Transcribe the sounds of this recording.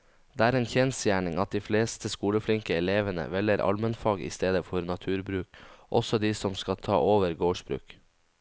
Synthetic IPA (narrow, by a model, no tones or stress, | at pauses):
d̪̥eːæːɾeːnçɛnsjæːɳɪŋɑt̪̚d̪iːfleːst̪əskuːləflɪŋkəɛleːʋənə̰ʋɛləɾʔɑ̰lmənfɑːɡḭːst̪eːd̪əfɔɾnɑt̪ʰʉːɾbɾʉːkʔɔsɔd̪iːsɔmskɑt̪ʰɑ̰ːʔoːʋəɾɡoːʂbɾʉ̰ːk